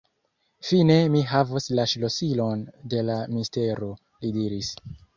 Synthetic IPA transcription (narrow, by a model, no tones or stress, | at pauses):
fine̞miɦavoslaʃlo̞silo̞nde̞laminste̞ɾo̞ | lidiɾis